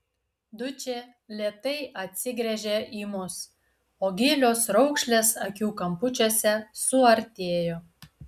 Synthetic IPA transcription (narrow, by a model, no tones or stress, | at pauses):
d̪ʊt͡ʃʲe | lʲeːt̪ɐɪʔɐt̪ʲsʲɪɡɾʲɛʒʲeʔiːmʊs | oːɡʲɪlʲoːsɾɔʊkʃʲlʲeːsɐkʲuːkɐmpʊt͡ʃʲosʲɛsʊɐɾʲt̪ʲeːjoː